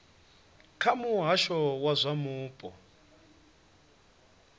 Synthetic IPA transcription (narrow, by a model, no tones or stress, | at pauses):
kʰamuɦaʃɔwazʷamuːpʼɔ